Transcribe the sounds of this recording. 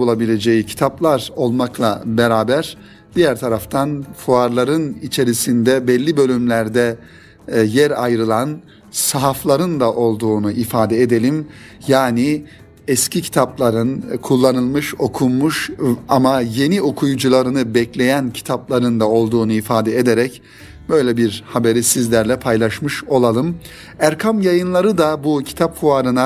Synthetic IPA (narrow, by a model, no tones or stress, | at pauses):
olˠabilʲe̞d͡ʒe̞jicʰi̥t̪ʰaplˠaɾo̞lˠmaklˠa̰beɾaːbæɾ | d̪ijæɾt̪ʰaɾaft̪ʰanfuaɾlˠaɾɯnit͡ʃʰe̞ɾisind̪ɛbɛlʲːibø̞lʲymlʲæɾd̪ɛ | jɛɾa̰jɾɯlˠan | saɦaflˠaɾɯnd̪aʔo̞lˠd̪uːnuʔifaːd̪ɛed̪e̞lʲim | jaːni | ɛscʰicʰi̥t̪ʰaplˠaɾɯnkʰulˠːanɯlˠmɯʃo̞kʰummuʃamaje̞nio̞kʰujud͡ʒulˠaɾɯnɯbɛclʲe̞jæncʰi̥t̪ʰaplˠaɾɯnd̪ao̞lˠd̪uːnuifaːd̪ɛed̪eɾɛc | bø̞jlʲɛbiɾhabe̞ɾisizlʲæɾlʲɛpʰajlˠaʃmɯʃo̞lˠalˠɯm | æɾkʰamjajɯnlˠaɾɯd̪abucʰi̥t̪ʰap̚kʰuaɾɯna